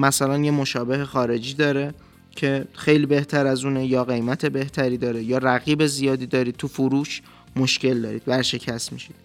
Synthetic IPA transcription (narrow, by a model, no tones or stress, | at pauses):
mæsælænje̞mo̞ʃɒːbe̞ɦe̞xɒːɾe̞d͡ʒiːd̪ɒːɾe̞ | cʰe̞xe̞jliːbe̞ht̪ʰæɾæzuːnejɒːɣe̞jmæt̪ʰe̞be̞ht̪ʰæɾiːd̪ɒːɾe̞jɒːɾæɣiːbe̞zijɒːd̪iːd̪ɒːɾiːd̪̚t̪ʰufuɾuːʃ | mo̞ʃce̞ld̪ɒ̰ːɾiːd̪̥væɾʃe̞cʰæstmḭʃid̪̥